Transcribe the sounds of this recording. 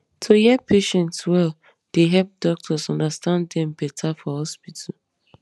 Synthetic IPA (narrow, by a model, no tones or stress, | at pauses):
tʰojɛpʰeʃɛ̃ntswɛl | d̥eɦɛp̚dɔk̚tʰɔsɔ̃ndastãnddɛ̃mbɛtʰafɔhɔspitʰal